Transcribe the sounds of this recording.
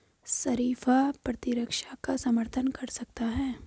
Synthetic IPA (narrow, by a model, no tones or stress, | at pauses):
sɐɾiːfapɾɐt̪ɪɾəkʃakasɐməɾt̪ʰənkɐɾsɐk̚t̪aɦɛː